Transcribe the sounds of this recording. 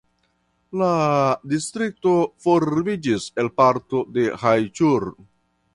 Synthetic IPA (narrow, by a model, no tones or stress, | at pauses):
ladistɾik̚to̞foɾbid͡ʒise̞lpaɾto̞de̞hajt͡ʃuɾ